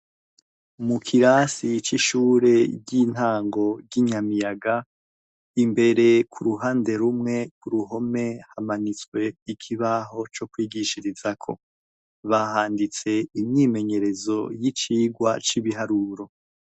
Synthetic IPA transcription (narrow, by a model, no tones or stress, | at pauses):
mukʰiɾasit͡ʃiʃuːɾe̞ɟin̥haːŋɡo̞ɟiɲamijaɡa | imbe̞ɾe̞kʰuɾuɦaːnde̞ɾumŋe̞kuɾuɦo̞me̞hamanit͡swe̞ikʰiβaɦo̞t͡ʃo̞kwiːɡiʃiɾizakʰo̞̰ | βahaːndit͡se̞imɲiːme̞ɲe̞ɾe̞zo̞jit͡ʃiːɡwa̰t͡ʃiβiɦaɾuɾo̞